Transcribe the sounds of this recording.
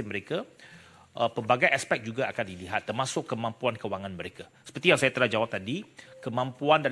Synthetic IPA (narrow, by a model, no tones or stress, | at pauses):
ɪməɾeka | ʔəpəbaɡajaspɛk̚d͡ʒuɡaʔakandiliɦat̪ːərmasʊkːəmãmpuankəwaŋãnməɾekasə̥pərt̪ijaŋsajat̪əlad͡ʒawap̚t̪adikəmãmpuandaɾ